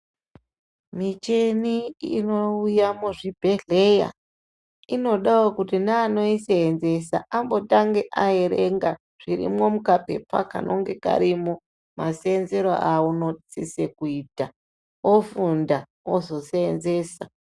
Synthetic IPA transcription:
mit͡ʃe̞niinoujamuʐibʱe̞ɮe̞ja̰ | ino̞ɗawokutinaːno̞iseːnze̞sa̰ʔambo̞taŋɡe̞ʔae̞ɾe̞ŋɡa | ʐ̥iɾḭmo̞mukape̞̰pa̰ka̰no̞̰ŋɡe̞ka̰ɾimo | maseːnze̞ɾoʔauno̞t͡sisekuiːta | ofunda | ozo̞seenze̞sa

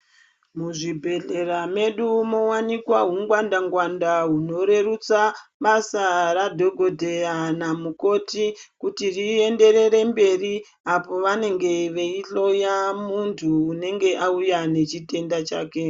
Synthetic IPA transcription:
muʐibʱe̞ɮe̞ɾame̞ɗumo̞wanikwaɦuŋɡwandaŋɡwandaɦuno̞ɾe̞rut͡saɓasaradʱo̞ɡʱo̞dʱe̞janamuko̞tikutirie̞nde̞ɾe̞ɾe̞mbe̞ri | apo̞ʋane̞ŋɡe̞ʋeiɬo̞jamuntʰuːne̞ŋɡe̞ʔaujane̞t͡ʃite̞ndat͡ʃaːke̞

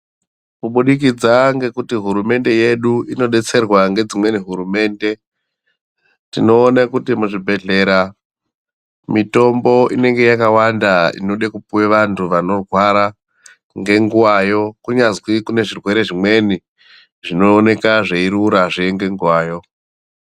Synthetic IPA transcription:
kuɓuɗik̬id͡zaŋɡe̞kutiɦuɾume̞nde̞je̞ɗuino̞ɗe̞t͡se̞rwaŋɡe̞d͡zimwe̞niɦuɾume̞ːnde̞ | tino̞ːnakutimuʐibʱe̞ɮe̞ːɾa | mito̞mbo̞ine̞ŋɡe̞jakawandaḭno̞ɗakupuweʋantʰuʋano̞rwaɾa | ŋɡe̞ŋɡuwaːjo̞kuɲazwikune̞ʐirwe̞ɾe̞ʐimwe̞ni | ʐino̞ːne̞kaʐeiɾuɾaʐeŋɡe̞ŋɡuwaːjo̞

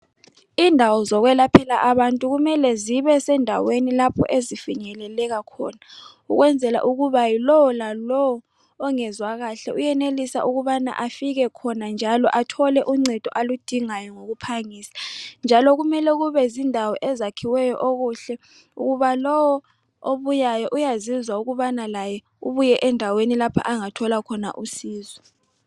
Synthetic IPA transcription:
indʱawɔzɔɣwɛlapʰɛlaʔaβantʼuɣumɛlɛziβɛsɛndʱa̰wenilapʰɔ̰ʔezifiɲɛlɛlɛɣakʰɔ̰ːna | ṵɣwɛnd͡zʱɛla̰ʔuɣuβajilɔwɔlalɔwɔː | ŋɛzwaɣaɬɛʔujɛnelisa̰ʔuɣuβana̰ʔafiɣ̬ɛkʰɔnand͡ʒʱalɔʔatʰɔlɛʔuŋ͡ǀɛd̥ʱɔʔalud̥ʱiŋajɔŋoɣ̬upʰaŋiːsḁnd͡ʒʱalɔɣ̬umɛlɛɣ̬uβɛzindʱawɔʔɛzakʰiwɛjɔʔoɣuɬɛ | ṵɣuβalɔwɔ | oβujajɔʔujazizwauɣuβanalajɛ | uβujɛʔɛndʱawenilapʰa̰ʔaŋatʰɔlakʰɔna̰ʔusiːzɔ

